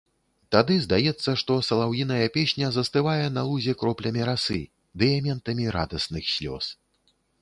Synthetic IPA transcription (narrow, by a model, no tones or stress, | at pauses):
t̪ad̪ɨzd̪ajɛt̪sːɐʂt̪ɔsɐlˠawjinɐjɐpʲɛsʲnʲɐzɐst̪ɨvajɛnɐlˠuzʲɛkɾɔplʲɐmʲiɾasɨ̰ | d̪ɨjamʲɛnt̪ɐmʲiɾa̰d̪ɐsnɨxsʲlʲɔ̰s